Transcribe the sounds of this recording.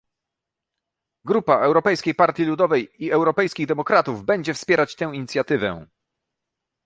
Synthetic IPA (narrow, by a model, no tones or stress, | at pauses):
ɡɾupaʔɛwɾɔpɛjskʲejpaɾt̪ʲjilud̪ɔvɛjiɛwɾɔpɛjskʲiɣd̪ɛmɔkɾat̪uvbɛɲd͡ʑɛfspʲjɛɾat͡ɕt̪ɛ̃w̃iɲit̪sʲjat̪ɘvɛ̰